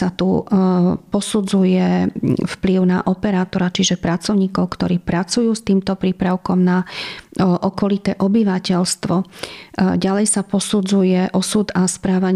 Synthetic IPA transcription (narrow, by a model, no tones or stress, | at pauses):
at̪ṵ | pɔsud͡zujɛfpliʊna̰ʔɔpɛɾaːt̪ɔɾat͡ʃiʒɛpɾat͡sɔʊɲiːkɔʊkt̪ɔɾiːpɾat͡sujuːst̪iːmt̪ɔpɾiːpɾaʊkɔmna | ʔɔkɔlit̪ɛːʔɔbiʋacɛʎst̪ʋɔ | ɟalɛjsapɔsud͡zujɛʔɔsud̪aspɾaːʋaɲ